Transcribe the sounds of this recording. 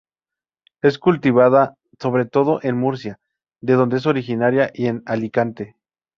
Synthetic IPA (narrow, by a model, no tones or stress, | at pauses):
e̞skult̪iβ̞aða | so̞βɾe̞t̪o̞ðo̞ʔe̞nmuɾs̬ja | ðe̞ðo̞nd̪ees̬o̞ɾixinaɾjaʔie̞nalikant̪e̞